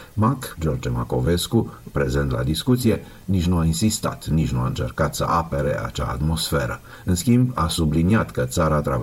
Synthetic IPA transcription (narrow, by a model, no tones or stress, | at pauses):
makd͡ʒɔɾd͡ʒɛmakovɛskupɾɛzɛnt̪la̰d̪iskut̪sijɛ | niʒnuainsist̪a̰t̪ʰniʒnuaɨnt͡ʃɛɾkɑt̪sə̰ʔɑpɛɾɛ̰ɑ̰t͡ʃa̰ːt̪mosfɛɾə | ɨnskʲimbɑ̰sublinijat̪kət̪saɾat̪ɾav